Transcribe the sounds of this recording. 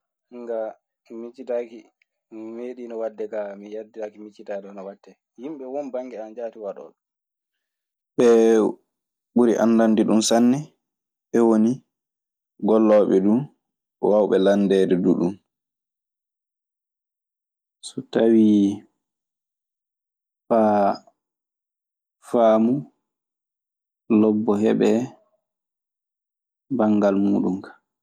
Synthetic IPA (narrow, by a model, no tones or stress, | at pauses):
ŋɡa | mit͡ʃːitaki | meːɗinɔwadːɛkamijaditakimit͡ʃːitadɔnɔwadːɛ | himɓɛwɔnbaŋɡɛand͡ʒaːtiwaɗɔ̰ːɗ | ɓɛ | ɓuɾiʔa̰nːdandiɗumsanːɛ | ɓɛwoni | ɡɔlːɔɓɛɗum | wawɓɛlandɛːdɛdṵɗum | sɔtawi | fa | faːmu | lɔbːɔɦɛɓɛ | baŋɡalmuːɗumkḁ